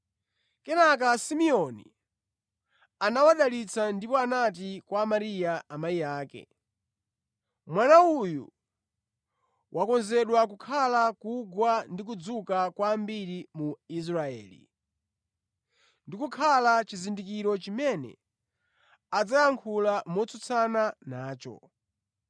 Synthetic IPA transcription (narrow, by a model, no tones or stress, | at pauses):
kɛnakasimiɔnḭ | anawaɗalit͡sʰandipɔanat̬ikwamaɾijaamaijaːkɛ̰ | mwanaujṵ | wʔakɔnzɛɗwakukʰalakuɡwandik̬ud͡zukakwaːmbiɾimuis̬ɾaɛ̰ːlḭ | ndikukʰalat͡ʃizindikiɾɔt͡ʃimɛnɛ̰ | ad͡zajaŋkʰulamɔt͡sut͡sʰananaːt͡ʃɔ̰